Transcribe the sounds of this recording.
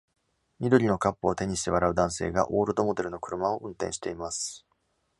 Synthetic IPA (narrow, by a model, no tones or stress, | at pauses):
ɲʲid̪o̞ɾʲino̞kapːoːt̪e̞ɲ̟iɕi̥t̪e̞βaɾaɯ̟d̪ãse̞ːɡa̰ʔo̞ːɾɯ̟d̪o̞mo̞d̪e̞ɾɯ̟no̞kɯ̟ɾɯ̟mao̞ʔɯ̟̃nt̪ẽ̞̰ɕi̥t̪e̞imasɨ̥